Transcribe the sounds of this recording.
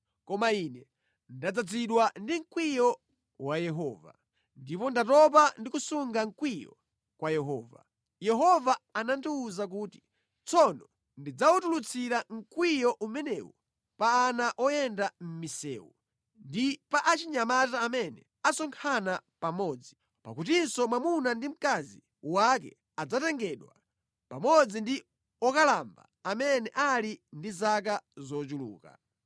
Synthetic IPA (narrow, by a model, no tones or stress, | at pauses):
kɔmainɛ | ndad͡zad͡ziɗwandiŋ̩kwijɔ | wajɛɦɔːva̰ | ndipɔndatɔp̬andikusuŋɡaŋ̩kwijɔ̰ | kwajɛɦɔ̰ːva̰ | jɛɦɔvaanandiuzak̬uːti̥ | t͡sʰɔnɔ | ndid͡zautulut͡sʰiɾaŋ̩kwijɔʔumɛnɛwɔ | paːnaʔɔjɛndam̩misɛ̰ːwu | ndipaʔat͡ʃiɲamataːmɛnɛ | asɔŋkʰanapamɔːd͡zi | pa̰kut̬insɔmwamunandim̩kazi | wak̬ɛ̰ | ad͡zatɛŋɡɛɗwa̰ | pamɔd͡zindi | ɔkalamba̰ | amɛnɛʔalindizak̬azɔt͡ʃulṵːka̰